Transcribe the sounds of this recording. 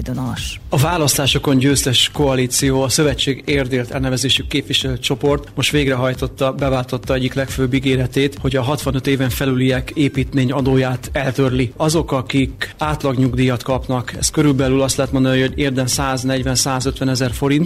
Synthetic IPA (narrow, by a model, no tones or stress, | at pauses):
d̪onoʃɒvaːlɒst̪aːʃo̞ko̞ɲɟøːst̪ɛʃko̞ɒliːt̪sijoːɒsø̞vɛt͡ʃːeːɡeːrd̪eːlt̪ɛlnɛvɛzeːʃykːeːpʋiʃɛløːt͡ʃo̞po̞rt̪mo̞ʃt̪ʋeːɡrɛɦɒjt̪o̞t̪ːɒbɛvaːlt̪o̞t̪ːɒɛɟːiklɛkføːbːiɡeːlɛt̪eːt̪ho̞ɟɒɦɒt̪ʋɒnøt̪eːvɛɱfɛlylijɛkeːpiːt̪meːɲɒd̪oːjaːt̪ɛlt̪ø̞rliɒzo̞kɒkikaːt̪lɒɡɲuɡd̪iːjɒt̪kɒpnɒkɛ̰st̪kø̞ɾylbɛlylɒst̪lɛɦːt̪mond̪ɒniho̞ɟeːrd̪ɛnsaːznɛɟvɛnsaːzø̞t̪ʋɛnɛzɛrfo̞ɾint̪